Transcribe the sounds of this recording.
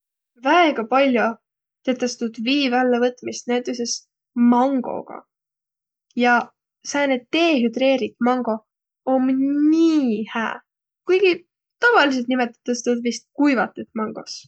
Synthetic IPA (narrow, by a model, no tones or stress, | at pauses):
væeɡ̥ɑpɑlʲjo | t̪et̪ːˑest̪ud̪̥viːvælːevɤt̪ˑmist̪̚næjt̪ːˑeses | mɑŋɡ̥o̞̰ɡ̥ɑ̰ | jɑ | sæːnet̪ːe̞ːɦyd̪re̞ːɾit̪mɑŋɡ̥o̞ | omniːhæ̰ː | kujɡ̥i | t̪ɑvɑlis̬e̞lt̪nimet̪ːˑɑ̥t̪ːest̪ud̪vist̪̚kujvɑt̪ːˑet̪mɑŋɡ̥o̞̰s